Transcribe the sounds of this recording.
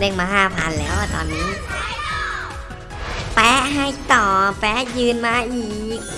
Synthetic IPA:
le˧˩ŋmaː˧haː˧˩pʰaː˧˩˨nlɛː˦˥wt̪ɔ̰ː˧˩nːiː˦˥ | pɛː˦˥ɦa˧˩jt̪ɔː˨˩pɛː˦˥jɯː˧nmaː˧ʔiː˨˩k̚

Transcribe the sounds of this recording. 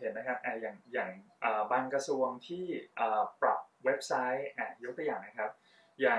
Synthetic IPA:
he˩˦nːa˥kʰa˦˥p̚ʔaː˧˩jaː˨˩ŋjaː˨˩ŋʔəː˨˩baː˧nkɾa˧su˧əŋt̪ʰiː˥˩ʔəː˨˩pɾa˨˩p̚we˦˥p̚sa˦˥jʔaː˧˩jo˦˥kt̪ʰjaː˨˩ŋna˦˥kʰa˦˥p̚ | jaː˨˩

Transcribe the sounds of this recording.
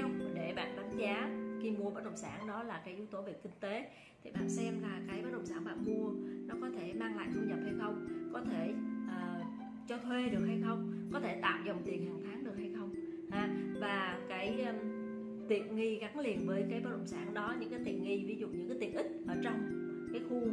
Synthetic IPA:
wɗe˧˩ɓa̰ː˧˨nɗɓa˨˦ŋzaː˨˦ki˧mu˧əɓəː˨˦˥t̚ɗə̰˧˨wŋ͡msaː˧˩nɗɔ˨˦laː˨˩kaː˨˦jʔi˨˦wt̪o˨˦vi˨˩ək̚ï˧ŋ̟t̪e˨˦ | t̪ʰi˨˩ɓa̰ː˧˨nsɛ˧mlaː˨˩kaː˨˦jɓaː˦˥ɗə̰˧˨wŋ͡msaː˧˩nɓa̰ː˧˨˩mu˧ənɔ˨˦kɔ˨˦t̪ʰe˧˩maː˧ŋla̰ː˧˨jt̪ʰu˧ɲə˨˩p̚ha˧jxə˧wŋ͡mkɔ˨˦t̪ʰe˧˩ʔəː˨˩ | t͡ɕɔ˧t̪ʰwe˧ɗɨ˨˩ək̚ha˧jxə˧wŋ͡mkɔ˨˦t̪ʰe˧˩t̪a̰ː˧˨wzɔ˨˩wŋ͡mt̪i˨˩ən̚haː˨˩ŋt̪ʰaː˨˦ŋɗɨ˨˩ək̚ha˧jxə˧wŋ͡m | haː˧˩vaː˨˩kaː˨˦j | t̪ḭ˧˨ənŋi˧ɣa˨˦ŋlḭ˧˨ənvəː˨˦jkaː˨˦jɓaː˦˥ɗə̰˧˨wŋ͡msaː˧˩nɗɔ˨˦ɲɨ̰˧˥ŋkaː˨˦t̪ḭ˧˨ənŋi˧vi˨˦zṵ˧˨ɲɨ̰˧˥ŋkaː˨˦t̪i˧˨ənʔi˦˥k̟̚ʔəː˧˩t͡ɕɔ˧wŋ͡m | kaː˨˦jxu˧

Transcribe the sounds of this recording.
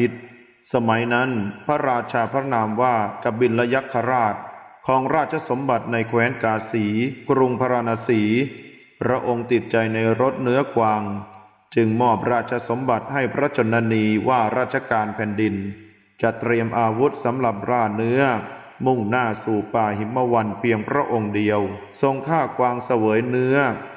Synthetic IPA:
t̪̚ | sa˧ma˩˦jna˦˥npʰa˦˥ɾaː˧t̚t͡ɕʰaː˧pʰɾa˦˥naː˧mwaː˥˩ka˨˧˩p̚bi˧nla˦˥ja˦˥kʰːa˧ɾaː˥˩t̪̚kʰɔː˩˦ŋɾaː˥˩t̪̚t͡ɕʰa˧so˩˦mba˨˩t̪̚na˧jkʰwɛː˦˥nkaː˧siː˩˦kɾu˧ŋpʰa˧ɾaː˧naː˧siː˩˦ | pɾa˦˥ʔo˧ŋt̪i˨˩t̪̚t͡ɕa˧jna˧jɾo˦˥t̪̚nɯ˦˥ɐkwaː˧ŋ | t͡ɕɯ˧ŋmɔː˥˩p̚ɾaː˥˩t̪̚t͡ɕʰa˧so˩˦mba˨˩t̪̚ha˥˩jpʰɾa˦˥t͡ɕo˧nːa˧niː˧waː˥˩ɾaː˥˩t̪̚t͡ɕʰa˧kaː˧npʰɛː˨˧ndi˧n | t͡ɕa˨˩t̪ɾi˧əmʔaː˧wu˦˥t̪̚sa˩˦mla˨˩p̚ɾaː˧˥˩nɯ˦˥ɐ | mu˥˩ŋnaː˥˩suː˨˩paː˧˩ɦi˩˦mmːa˧wa˧npʰi˧əŋpʰɾa˦˥ʔo˧ŋdi˧əw | so˧ŋkʰaː˥˩kwaː˧ŋsa˧wɤː˩˦jnɯ˦˥ɐ

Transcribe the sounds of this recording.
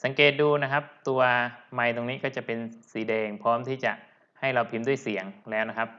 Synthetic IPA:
sa˩˦ŋkeː˨˩t̪̚duː˧na˦˥kʰa˦˥p̚t̪u˧ɐma˧˩jt̪o˧ŋniː˦˥kɔː˥˩t͡ɕa˨˩pe˧nsiː˨˩˦dɛː˧ŋpʰɔː˦˥mt̪ʰiː˥˩t͡ɕa˨˩ʔ | ha˥˩jlɔː˧˩pʰi˧˦mdu˥˩əjsi˩˦əŋlɛː˦˥wna˦˥kʰa˦˥p̚

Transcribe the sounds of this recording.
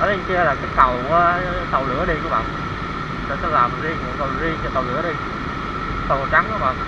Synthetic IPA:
ə˨˦i˧˩ki˧ə˧laː˨˩kaː˨˦jt̪ə˨˩w | t̪ə˨˩wlɨ̰˧˥əɗi˧ku˧˩əɓa̰ː˧˨n | ɗə̰˧˦sɔ˧˩laː˨˩m˨˩zi˧əŋkṵ˨˧˩t̪ə˨˩wzi˧əŋt͡ɕɔ˧t̪ə˨˩wlɨ̰˧˦əɗi˧˦ | t̪ə˨˩˨t͡ɕa˨˦ŋku˧˦ɓa̰ː˧˨n

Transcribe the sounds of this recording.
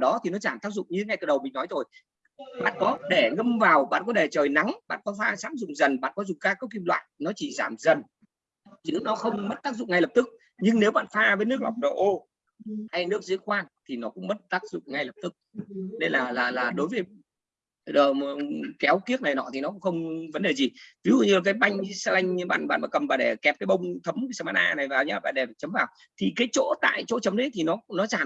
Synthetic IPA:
ɗɔ˨˦t̪ʰi˨˩nɔ˨˦zaː˧˩mt̪aː˦˥k̚zʊ̰˧˨ŋ͡mɲɨ˧ŋa˧jt̪ɨː˨˩ɗə˨˩wmï̟˨˩nɔ˨˦jt̪ʰo˨˩j | ɓa̰ː˧˨nkɔ˨˦ɗe˧˩ŋə˧mvaː˨˩wɓa̰ː˧˨nkɔ˨˦ɗe˧˩t͡ɕəː˨˩jna˨˦ŋɓa̰ː˧˨nkɔ˨˦faː˧sa̰ː˧˥mzʊ̰˧˨ŋ͡mzə˨˩nɓa̰ː˧˨nkɔ˨˦zʊ˨˩ŋ͡mkaː˧kːə˦˥wki˧mlwa̰ː˧˨jnɔ˨˦t͡ɕi˧˩zaː˧˩mzə˨˩n | zɨ̰˧˥nɔ˨˦xə˧wŋ͡mmə˦˥t̚t̪aː˦˥k̚zʊ̰˧˨ŋ͡mŋa˧jlə˨˩p̚t̪ɨ˦˥k̚ | ɲɨ˧ŋne˨˦wɓa̰ː˧˨nfaː˧vəː˨˦jnɨ˦˥ək̚la˨˩wk͡p̚ɗo̰˧˨˩ʔo˧ | ha˧jnɨ˦˥ək̚zḭ˧˥ənkwaː˧nt̪ʰi˨˩nɔ˨˦kʊ̰˧˥ŋ͡mmə˦˥t̚t̪aː˦˥k̚zʊ̰˧˨ŋ͡mŋa˧jlə˨˩p̚t̪ɨ˦˥k̚ne˧laː˨˩laː˨˩laː˨˩ɗo˨˦jvəː˨˦j | ɗəː˨˩˨kɛ˨˦wki˦˥ək̚na˨˩jnɔ̰˧˨t̪ʰi˨˩nɔ˨˦kʊ̰˧˥ŋ͡mxə˧wŋ͡mvə˨˦nɗe˨˩zi˨˩vi˨˦zṵ˧˨ɲɨ˧laː˨˩kaː˨˦jɓa˧jŋ̟˧sa˧la˧jŋ̟˧ɓa̰ː˧˨nɓa̰ː˧˨nma̰ː˧˨kə˨˩mvaː˨˩ɗe˧˩kɛ˨˩p̚kaː˨˦jɓə˧wŋ͡mt̪ʰə˨˦m˨˦saː˧maː˧˥ʔaː˧na˨˩jvaː˨˩wɲ̰ː˧˩ɓa̰ː˧˨ɗe˨˩t͡ɕə˨˦mvaː˨˩w | t̪ʰi˨˩kaː˨˦jt͡ɕo̰˧˥t̪a̰ː˧˨jt͡ɕo̰˧˥t͡ɕə˨˦mɗə˨˦t̪ʰi˨˩nɔ˨˦nɔ˨˦t͡ɕaː˧˩n

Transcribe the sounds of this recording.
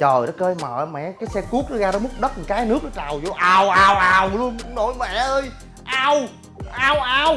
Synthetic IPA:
t͡ɕəː˨˩jɗɔ˨˦kəː˧jma̰ː˨˩˨mɛ̰˧˨kaː˨˦jsɛ˧ku˦˥ək̚ɗɔ˨˦ɣaː˧ɗɔ˨˦mɨ˦˥k͡p̚ɗə˦˥t̚ɲɨ˨˩˦kaː˨˦jnɨ˦˥ək̚ɗɔ˨˦t͡ɕaː˨˩wzo˧ʔaː˧wʔaː˧wʔaː˧wlu˧ən˨no˧˨˦jmɛ˧˨ʔəː˧j | ʔaː˧w | ʔaː˧wʔaː˧w

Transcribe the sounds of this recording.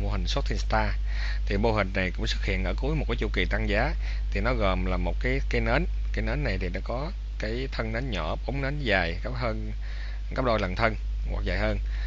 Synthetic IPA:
mo˧hï˨˩ŋ̟sa˦˥t̚t̪ʰi˧nst̪aː˧ | t̪ʰi˨˩ɓo˧ɦï˨˩ŋ̟na˨˩jkʊ̰˧˥ŋ͡msɨ˦˥k̚hḭ˧˨ənʔəː˧˩ku˨˦jmo˨˩t̚kːaː˨˦t͡ɕu˧ki˨˩t̪a˧ŋzaː˨˦ | t̪ʰi˨˩nɔ˨˦ɣəː˨˩mlaː˨˩mo˨˩t̚kaː˨˦jkaː˨˦jnəː˨˦n | kaː˨˦jnəː˨˦nːa˨˩jt̪ʰi˨˩ɗa̰ː˧˥kɔ˨˦ | kaː˨˦jt̪ʰə˧nnəː˨˦nɲɔ˧˩ʔə˨˦wŋ͡mnəː˨˦nzaː˨˩jka˦˥p̚həː˧n | ka˦˥p̚ɗo˧jlə̰˨˩nt̪ʰə˧n | wa̰˨˩k̚zaː˨˩jhəː˧n

